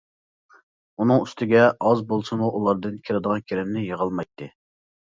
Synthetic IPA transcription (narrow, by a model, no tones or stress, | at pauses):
unɨŋyst̪ʰɪɡʲɛʔɑzbolˠsɨmuʔulˠɑɾd̪ɨnkʲʰiɾɪd̪əʁɑnkʲʰeɾɪmnɪjəʁɑlˠmɑjt̪ʰːɨ